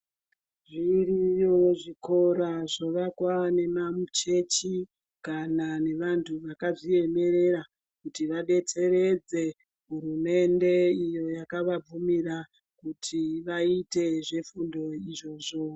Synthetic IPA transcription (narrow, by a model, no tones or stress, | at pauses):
ʐirijoʐiko̞ɾaʐoʋakwane̞mamut͡ʃe̞t͡ʃi | kanane̞ʋantʰuʋakaʐie̞me̞ɾe̞ra | kutiʋaɗe̞t͡se̞re̞d͡ze̞ | ɦuɾume̞nde̞ijo̞jakaʋab͡vumira | kutʰiʋaite̞ʐe̞fundo̞iʐo̞ːʐo̞